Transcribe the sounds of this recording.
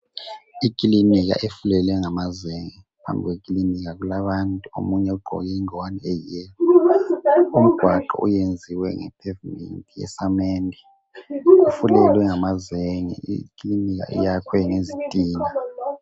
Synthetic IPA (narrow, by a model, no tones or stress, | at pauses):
ikʼiliniɣ̬a̰ʔefulɛlɛŋamazeŋi | pʰa̰mbʱiɣwekʼiliniɣaɣulaβantʼuo̰muɲɛuɡ͡ǃʱɔ̰ɣɛŋwaniɛjɛːlɔ | um̩ɡ̥ʱwaǃɔ̰ṵjend͡zʱiwɛ̰ŋɛ̰pʰɛvimḛntʼijɛ̰sameːndʱi | ufulɛlwɛŋamazeŋḭḭkʼiliniɣ̬a̰ʔḭjakʰwɛŋezitʼiːna